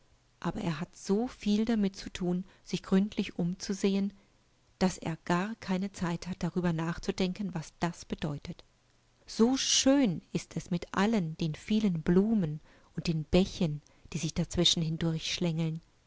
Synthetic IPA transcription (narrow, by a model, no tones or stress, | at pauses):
ʔaːbɐʔeːɐɦatz̥oːfiːldamɪtt͡sutʰuːnz̥ɪçɡ̥ʁʏntʰlɪçʔʊmt͡suzeːən | d̥asḛːɐɡ̥aːɐkʰaɪnət͡saɪthat̚d̥aʁyːbɐnaːχt͡sudɛŋkənvasd̥asb̥ədɔʏtət | z̥oːʃøːnɪstɛsmɪtʔa̰lənd̥eːnfiːlənbluːmən | ʔʊnt̚d̥eːnbɛçən | d̥iːzɪçd̥at͡sv̥ɪʃn̩hɪndʊɐçʃlɛŋl̩n